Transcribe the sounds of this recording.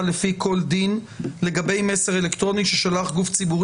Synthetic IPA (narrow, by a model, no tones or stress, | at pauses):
lefikʰo̞ld̪in | le̞ɡabe̞jmeseʁelekt̪ʁo̞niʃeʃalaχɡuft͡sibuʁ